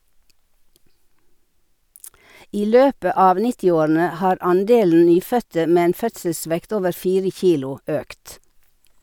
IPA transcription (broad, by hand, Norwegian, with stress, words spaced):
ˈiː ˈløːpə ˈɑːʋ ˈnɪtɪˌoːɾn̩ə ˈhɑːɾ ˈɑnˌdeːln̩ ˈnyːˌfœtə ˈmeː ˈeːn ˈfœtsəˌsʋɛkt ˈoːʋəɾ ˈfiːɾə ˈçiːlʊ ˈøːkt